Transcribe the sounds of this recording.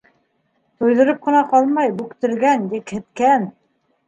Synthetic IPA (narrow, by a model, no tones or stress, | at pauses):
t̪ŏjðɤ̆ɾɤp̚qɤ̆nɑqɑlˠmɑjbʉkt̪ɘ̆ɾɡænjɘ̆khɘ̆t̪kæn